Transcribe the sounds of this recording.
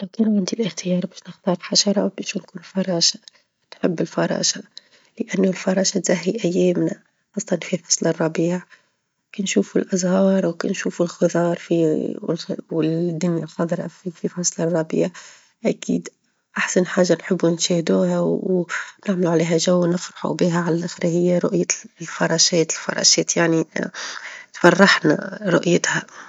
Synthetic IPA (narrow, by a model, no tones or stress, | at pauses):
lawkæːnʕɪnd̪ilʔɪxt̪ɪjɑːɾˤbæːʃnɪxt̪ˤɑːɾˤfħaʃɑɾˤɑbæʃunkuːnfɑɾˤɑːʃḁ | nħɪbːɪlfɑɾˤɑ̰ːʃa | lɪʔanːʊlfɑɾˤɑːʃat̪z̥aɦːiʔæjːæːmna | xɑsˤːɑt̪ɑnfifɑsˤlɑrˤːɑbiːʕ | keːnʃuːfulʔazhɑːɾˤwkḛnʃuːfulxɨðˤɑːɾˤfḭ | wɪd̪ːʊnjaxɑd̪ˤɾˤɑ̰fififɑsˤlɑrˤːɑbḭːʕ | ʔækḭːd̪ | ʔaħsanħaːʒːanħɪbːunʃeːhd̪uːhawnɪʕmluʕaleːɦæʒæwːnɪfɾɑħṵbiːɦæʕalælʔaxɾhɪjːaɾˤʊʔjalfɑɾˤɑʃɛːt̪ɪlfɑ̰ɾˤɑ̰ːʃɛːt̪jaʕni | t̪fɑrˤːɑħna̰ɾˤʊ̰ʔjɪt̪hæ